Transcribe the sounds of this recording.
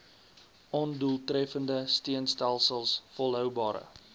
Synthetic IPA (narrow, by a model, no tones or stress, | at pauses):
ʔɔnduəlˠtɾɛfəndəstiənstælˠsəlˠsfɔlˠɦœwbɑːɾə̰